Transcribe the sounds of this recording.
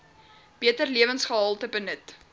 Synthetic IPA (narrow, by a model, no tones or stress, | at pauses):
b̥iətərliəvənsχəɦəlˠtəbənət